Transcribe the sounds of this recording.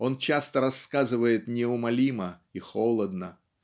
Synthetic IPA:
o̞nt͡ɕast̪əɾɐsːkazɨvəjɪt̪nʲɪʊmɐlʲiməixolˠəd̪nə

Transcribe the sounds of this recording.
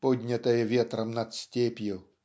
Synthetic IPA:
pɔdʲɲɛt̪ajɛvjɛt̪ɾamnat̪stʲɛːpiɛl

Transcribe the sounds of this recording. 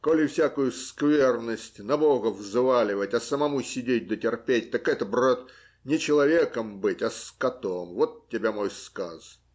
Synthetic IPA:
kolʲɪfsʲakʊjʊskvʲernəsʲtʲnɐbo̞ɣəvzvalʲɪvətʲɐsəmɐmusʲɪdʲet̚ʲd̪ətʲɪrpʲet̚ʲt̪əkɛt̪əbrot̪ | nʲɪt͡ɕɪlˠɐvʲekəmbɨtʲɐskɐt̪omvo̞t̪tʲːɪbʲamo̞jskas

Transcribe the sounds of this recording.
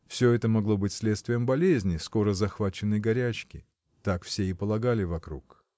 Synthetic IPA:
fsʲɵɛt̪əmɐɡlˠo̞bɨtʲsʲlʲet̪st̪vʲɪjəmbɐlʲezʲnʲɪsko̞ɾəzɐxvat͡ɕɪnːəjɡɐɾʲæt͡ɕkʲɪ | t̪akfsʲeɪpəlˠɐɡalʲɪvɐkɾṵk

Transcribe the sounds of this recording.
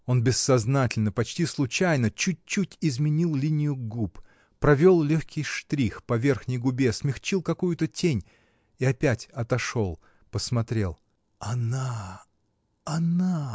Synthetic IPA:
o̞nbʲɪsːɐznatʲɪlʲnəpɐt͡ɕtʲislˠʊt͡ɕæjnət͡ɕut̚ʲt͡ɕːutʲɪzmʲɪnʲilˠlʲinʲɪjʊɡup | pɾɐvʲo̞lˠlʲɵxʲkʲɪjʂt̪ɾʲixpɐvʲe̞rxnʲɪjɡʊbʲe̞smʲɪxt͡ɕilˠkɐkujʊt̪ətʲenʲ | iɐpʲætʲɐt̪ɐʂo̞lˠ | pəsmɐt̪ɾʲe̞̰lˠ | ɐna | ɐna

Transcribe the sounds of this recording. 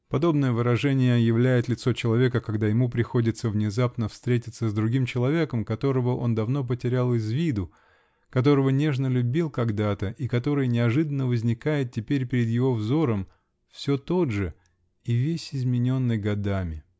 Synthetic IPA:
pɐd̪o̞bnəjəvɨɾɐʐɛnʲɪjəjɪvlʲæjɪt̪lʲɪt̪so̞t͡ɕɪlˠɐvʲe̞kəkɐɡd̪ajɪmupɾʲɪxo̞dʲɪt̪səvnʲɪzapnəfst̪ɾʲetʲɪt̪səzd̪ɾʊɡʲimt͡ɕɪlˠɐvʲe̞kəmkɐt̪o̞ɾəvəʔo̞nd̪ɐvno̞p̬ətʲɪɾʲalˠɪzvʲid̪ʊ | kɐt̪̬o̞ɾəvənʲe̞ʐnəlʲʉbʲilˠkɐɡd̪at̪əʔikɐt̪o̞ɾɨjnʲɪɐʐɨd̪ənːəvəzʲnʲɪkajɪt̪̚tʲɪpʲeɾʲpʲɪɾʲɪd̪jɪvo̞vzo̞ɾəm | fsʲɵt̪o̞dʐɨ | ivʲesʲɪzmʲɪnʲo̞nːɨjɡɐd̪amʲɪ

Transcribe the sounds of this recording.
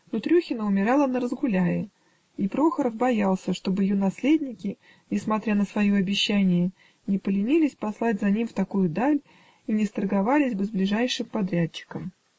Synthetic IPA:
nʊt̪ɾʲuxʲɪnəʊmʲɪɾɑlˠənəɾəzɡʊlʲæjɪ | ipɾo̞xəɾəfbɐjɑlˠsʲəʂt̪o̞bɨjɪjonɐsʲlʲedʲnʲɪkʲɪ | nʲɪsmɐt̪ɾʲanəsvɐjoɐbʲɪɕːænʲɪjə | nʲɪpəlʲɪnʲilʲɪsʲpɐslˠatʲzɐnʲimft̪ɐkujʊd̪alʲ | inʲɪst̪ərɡɐvalʲɪzʲbɨzblʲɪʐæjʂɨmpɐd̪ɾʲætt͡ɕːɪ̥kəm

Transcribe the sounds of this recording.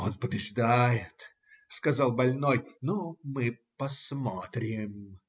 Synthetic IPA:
onpəbʲɪʐd̪ajɪt̪ | skɐzalˠbɐlʲnojnomɨpɐsmot̪ɾʲɪm

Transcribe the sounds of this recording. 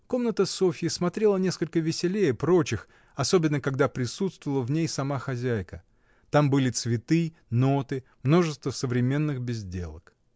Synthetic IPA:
ko̞mnət̪əso̞fʲɪːsmɐt̪ɾʲe̞lˠənʲe̞skəlʲkəvʲɪsʲɪlʲejəpɾo̞t͡ɕɪx | ɐso̞bʲɪnːəkɐɡd̪apɾʲɪsut̪st̪vəlˠəvnʲejsɐmaxɐzʲæjkə | t̪ambɨlʲɪt̪svʲɪt̪ɨ | no̞t̪ɨmno̞ʐɨst̪vəsəvɾʲɪmʲe̞nːɨxbʲɪzʲdʲe̞̰lˠək

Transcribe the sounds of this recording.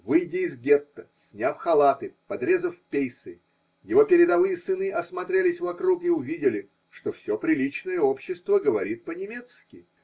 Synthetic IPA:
vɨjdʲɪːzɡʲet̪ːəsʲnʲafxɐlˠat̪ɨpɐd̪ɾʲe̞zəfpʲejsɨ | jɪvo̞pʲɪɾʲɪd̪ɐvɨjəsɨnɨʔɐsmɐt̪ɾʲelʲɪsʲvɐkɾukɪʊvʲidʲɪlʲɪ | ʂt̪o̞fsʲo̞pɾʲɪlʲit͡ɕnəjəo̞pɕːɪst̪vəɡəvɐɾʲit̪̚pənʲɪmʲe̞t̪skʲɪ

